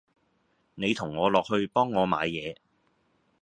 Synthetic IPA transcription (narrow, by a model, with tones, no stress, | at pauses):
ne˨˧jt̪ʰʊ˨˩ŋːɔː˨˧lɔː˨k̚hɵ˧ɥpɔː˥ŋːɔː˨˧ma̰ː˨˧jjɛː˨˧